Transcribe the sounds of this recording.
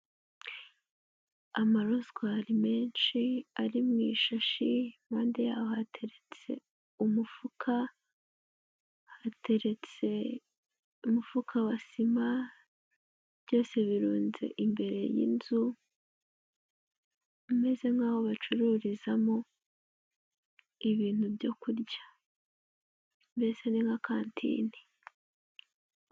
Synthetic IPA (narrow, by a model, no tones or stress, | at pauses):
amaɾozɡwaɾime̞ːnʃiaɾimŋiʃaʃimaːndejaːβohatʰe̞ɾe̞t͡se̞̰ | umufukʰa | hateɾet͡se | umufukʰawasima | bjo̞ːse̞βiɾuːnze̞̰ʔimbe̞ɾe̞̰jḭnzu | ime̞ze̞ŋhaːβo̞βat͡ʃuɾuːɾizamo | iβiːn̥hubjo̞kuɾɟḁ | mbe̞seniŋɡakʰaːntʰḭːni̥